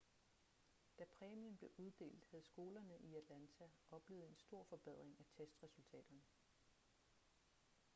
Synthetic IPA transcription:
d̥æpʰʁɛːmimb̥le̝ʔuðˠd̥e̝̰ːld̥hæð̞̩ˠsɡ̥o̝ːlɐnəʔiæd̥lænt͡sʰæʔɒ̽b̥le̝ːð̩ˠe̝nsd̥o̝ɐ̰fɒ̽b̥eð̞̰ˠʁeŋæt͡sʰesd̥ʁɛsult͡sʰɛ̰ːd̥ɐnə

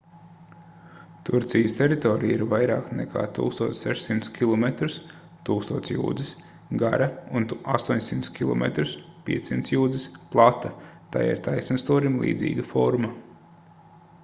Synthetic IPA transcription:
t̪uɾt̪sijəst̪ʲɛɾit̪ɔːɾijiɾvajɾaːknɛ̰kʰa̰ːt̪ṵːkst̪uɔːsʲsɛʃsimt̪skʲilˠɔmet̪ɾus | t̪uːkst̪uɔːt̪sjṵːd̪zis | ɡa̰ɾɐunast̪uɔɲsimt̪skʲilˠɔ̰mḛt̪ɾuspʲḭɛt̪sːimt̪sjuːd̪zisplˠat̪at̪a̰jḭɾt̪ajsnst̪uːɾimlˠḭːd̪zʲḭːɡɐfɔɾmɐ

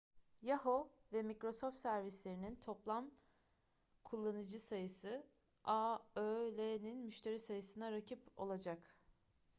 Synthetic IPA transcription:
jaho̞vɛmikɾo̞sofft̪sæɾvislʲe̞ɾinint̪ʰo̞plˠam | kʰulˠːanɯd͡ʒɯsajɯsɯ | aølʲeninmyʃt̪ʰe̞ɾisajɯsɯnaɾacʰipo̞̰lˠad͡ʒak

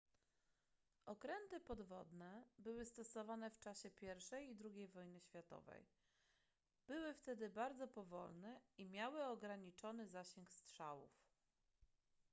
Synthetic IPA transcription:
ɔkɾɛnt̪ɘpɔd̪vɔd̪nɛbɘwɘst̪ɔsɔvanɛft͡ʂaɕɛpʲjɛɾfʂɛjid̪ɾuɡʲejvɔjnɘɕfʲjat̪ɔ̰vɛ̰j | b̥ɘwɘft̪ɛd̪ɘbaɾd̪zɔpɔvɔ̰lnɛimʲjawɘɔɡɾaɲit͡ʂɔnɘzaɕɛŋkstʂawṵf

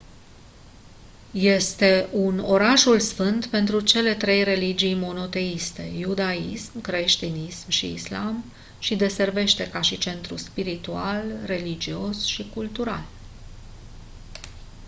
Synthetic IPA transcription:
je̞st̪e̞ʔuno̞ɾaʃulsfɨnd̪pe̞nt̪ɾut͡ʃe̞le̞t̪ɾe̞jre̞lid͡ʒijmo̞no̞t̪e̞ist̪e̞jud̪aismkɾe̞ʃt̪inismʃḭːslam | ʃid̪e̞se̞rve̞ʃt̪e̞kaʃit͡ʃe̞nt̪ɾṵspiɾit̪ualre̞lid͡ʒio̞sʃikult̪uɾa̰l

